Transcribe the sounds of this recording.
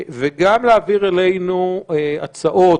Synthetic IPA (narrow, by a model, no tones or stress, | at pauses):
veɡamleaviʁelejnua̰t͡saʔo̞